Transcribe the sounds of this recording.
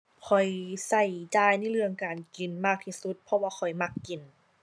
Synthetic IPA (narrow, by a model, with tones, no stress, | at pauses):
kʰɔ˨˩jsa˧˩jt͡ɕaː˧˩jna˧˥˩lɯ˧əŋkaː˨˩nki˨˩nmaː˧˩k̚t̪ʰi˧˩su˧˦t̪̚pʰɔ˧waː˧kʰɔ˨˩jma˧˥kːi˨˩n